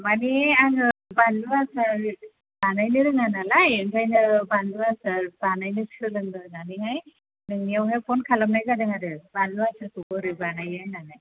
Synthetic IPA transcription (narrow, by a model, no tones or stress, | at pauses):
maniaŋɯbanduasaɾ | banajnɯɾɯŋanalajɯŋɡʰajnɯbanduasaɾbanajnɯsɯlɯnd̪ɯnaniŋaj | nɯŋnijawɦepʰɔnkʰalamnajɡadɯŋaɾɯbanduasʰaɾkuɡɔɾɯbanajajnanaj